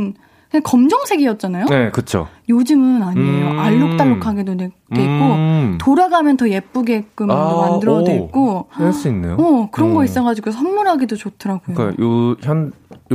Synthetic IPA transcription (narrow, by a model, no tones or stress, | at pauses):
n | kakʌmd͡ʑʌŋsʰe̞ɡiʌt̚t͡ɕ͈anajone̞kɯt͡ɕʰo̰ | jod͡ʑɯmɯnaɲiejoʔaɭːok̚t͈aɭːokʰaɡedone | eik͈otoɾaɡamjʌntʰʌje̞p͈uɡe̞k͈ɯmmandɯɾʌwek͈ohaɭs͈uinːejoʌkɯɾʌnɡʌis͈ʌɣad͡ʑiɡosʰʌnːuɾɦaɡidot͡ɕotʰɯɾaɡojo̰joçjʌn